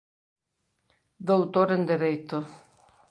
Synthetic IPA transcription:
d̪owt̪oɾend̪eɾejt̪ʊ

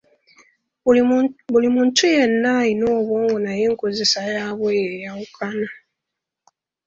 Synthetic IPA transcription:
βulimuːntʰujenːajinoːβwoːŋɡonajeːŋkozesajaβwejejawukʰana

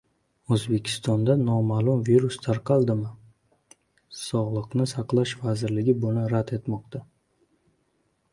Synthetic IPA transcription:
ɵzbe̞kʲʰɪ̥st̪ɒnd̪anɒmalˠʊmviɾust̪ʰaɾqʰɑlˠd̪ɪmɪ | sɒʁlˠɨqnɪsɑqlˠaʃvazɪɾlɪɡʲɪbʊnɪɾad̪e̞t̪mɒqt̪ʰa

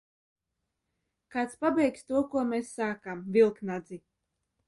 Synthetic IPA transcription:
kaːt̪spabɛjkst̪uɔkuɔmesːaːkamvilˠknad̪zi

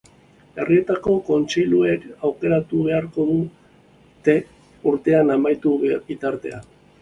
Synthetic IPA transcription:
e̞rie̞t̪ako̞ko̞nt͡ʃiʎueɾawke̞ɾat̪uβ̞e̞aɾko̞ðu | t̪e̞ | uɾt̪e̞anamajt̪ubit̪aɾt̪e̞̰a̰

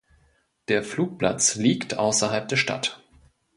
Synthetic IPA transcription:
d̥eːɐfluːk̚pla̰t͡sliːktʰʔa̰ʊsɐɦalp̚d̥eːɐʃta̰t

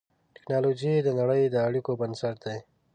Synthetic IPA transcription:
ʈɪ̥knɑlod͡ʒid̪ənaɽəjd̪əaɽikobənsaɾ̚d̪aj

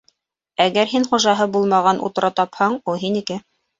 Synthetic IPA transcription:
æɡæɾɦinχuʒɑɦɤbulˠmɑʁɑnʔṵt̪ɤ̆ɾʔɑt̪ɑphɤɴulˠɦinikɘ

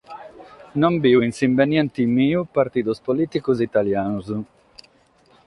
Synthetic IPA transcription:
nombiːuinsimbenjɛnt̪imiːupaɾt̪iːd̪uspoliːt̪ikuzit̪aljaːnuzu

